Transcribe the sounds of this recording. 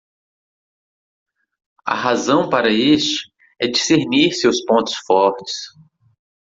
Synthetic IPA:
ɐ̰ɦazɐ̃w̃paɾɐest͡ʃɪ̥ | ɛd͡ʒiseɾniɾsewspõnt̪ʊ̥sfɔɾt͡ʃɪ̥s

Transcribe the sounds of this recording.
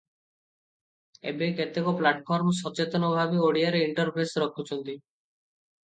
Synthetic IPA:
ḛbeket̪ekɔplaʈpʰɔɾmɔsɔt͡ʃet̪ɔnɔbʱabeoɽijaɾeiɳʈɔɾpʰɾesɾɔkʰut͡ʃʰɔnt̪i

